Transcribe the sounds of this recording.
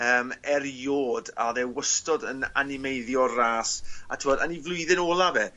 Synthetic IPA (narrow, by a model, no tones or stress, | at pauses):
əːmɛrjoːda̰ðɛwəstɔdəna̰nɪmejðjɔraːsa̰tʰɪwɔdanivlˠʊɨðɪnoːlˠabɛ